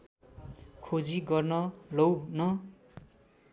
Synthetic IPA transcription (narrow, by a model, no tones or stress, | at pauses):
kʰod͡ziɡʌrnʌlʌwnʌ